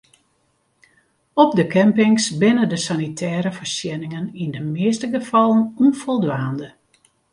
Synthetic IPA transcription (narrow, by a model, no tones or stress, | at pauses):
ɔb̚dəkɛmpɪŋsbɪnədəsanitʰɛːɾəfərsjɛnɪŋənindəmɪːstəɡəfɑlˠənunfɔlˠdʋaːndə